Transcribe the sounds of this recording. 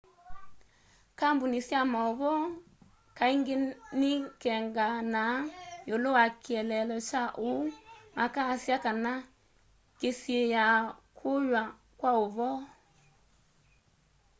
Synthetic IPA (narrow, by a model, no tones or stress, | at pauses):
kambunisjamaoβɔ | kaiŋɡenikɛŋɡanajolowakiɛlɛlɔt͡ʃaʔumakasjakana | kesiejakʰojwa | kwaoβɔ